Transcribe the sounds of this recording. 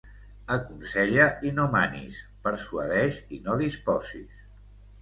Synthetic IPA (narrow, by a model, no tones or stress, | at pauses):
əkunsɛʎəʔinomanḭspəɾsuəðɛʃinoðispɔzis